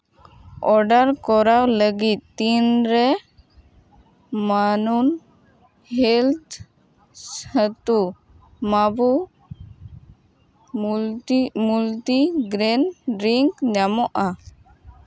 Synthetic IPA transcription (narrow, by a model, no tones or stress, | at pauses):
ɔɾɖaɾkɔɾawləɡit̪̚ːinɾɛ | manun | hɛlt̪ʰ | sət̪u | mabu | mult̪iɡɾɛnɖɾiŋkd͡ʒamɔʔa